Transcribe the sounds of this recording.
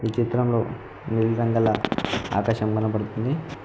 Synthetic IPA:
it͡ʃit̪ɾɐmlo̞ː | niɾlɾɐŋɡɐlɐa̰ːkaːʃɐmɡɐnɐpɐɽut̪und̪i

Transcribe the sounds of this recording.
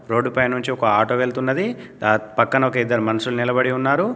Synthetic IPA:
ɾo̞ːɖːupɐjnuɲt͡ʃiɔkɐaːʈoːʋelt̪unːɐd̪i | d̪aːpɐkːɐnɐɔkɐid̪ːɐɾimɐnɐsulnilɐbɐɽiunːaːɾu

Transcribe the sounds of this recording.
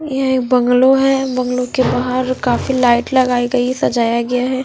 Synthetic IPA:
jɐek̚bɐ̃ŋɡloɦɛbɐ̃ŋɡlõkebaːɦəɾkaːfilaːɪʈlɐɡaːiɡɐisɐd͡ʒaːjaɡɐjaɦɛː

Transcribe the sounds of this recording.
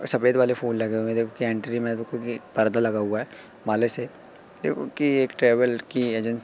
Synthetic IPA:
sɐpeːd̪ʋaːlepoːnlɐɡeuẽd̪eːkʰokiɛ̃ːɳʈɾimẽd̪oːkʰokipɐɾd̪alɐɡaɦuaɦɛː | maːlese | d̪eːkʰokieːkʈɾeːʋəlkieːd͡ʒə̃ns

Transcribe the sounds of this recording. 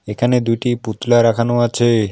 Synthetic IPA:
ekʰaned̪ujʈiput̪laɾakʰanoat͡ɕʰe

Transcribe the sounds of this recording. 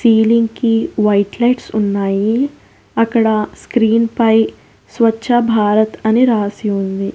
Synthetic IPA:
siːlɪ̃ŋɡkiʋaɪʈlɐɪʈsʊnːaːi | ɐkɽaskɾiːnpɐi | sʋɐtːʃʰabʱaːɾət̪ɐniɾaːsiɦõːnd̪iː

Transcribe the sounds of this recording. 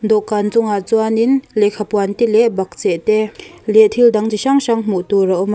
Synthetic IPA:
nd̪ɔʔkant͡suŋat͡suaninlɛʔkʰapwant̪ilɛʔbak̚t͡sɛʔt̪ɛlɛʔt̪ʰild̪aŋt͡siɕaŋʃaŋm̥uʔt̪uɾawma

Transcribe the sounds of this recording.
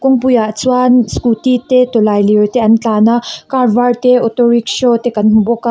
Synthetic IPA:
koŋpujat͡swanskut̪it̪et̪olajliojt̪eɐnt͡ɬanakaɾʋaɾt̪eot̪oɾikʃot̪ekɐnmuboka

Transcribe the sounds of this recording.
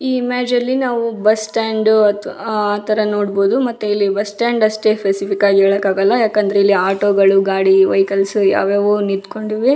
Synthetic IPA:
iːimaːd͡ʒɐlːinaːʋubɐsʈaːɳɖɐt̪aːt̪ɐɾɐnoːɽboːd̪umɐt̪ːuilːibɐsʈaːɳɖɐsʈe̞spesipikaːɡieːɭɐkaːɡɐlːɐjaːkɐnd̪ɾeilːiaːʈoːɡɐɭuɡaːɽiʋɐ̰jkɐlsuja̰ːʋeːʋunid̪ko̞ɳɖiʋi

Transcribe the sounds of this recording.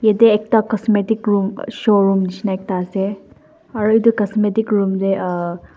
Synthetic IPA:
jed̪eek̚t̪akɐsmeːʈ̪ikɾuːmʃoːɾuːmnit͡ʃnɐek̚t̪ase | ɐɾid̪ukɐsmeːʈ̪ikɾuːmd̪eʔ

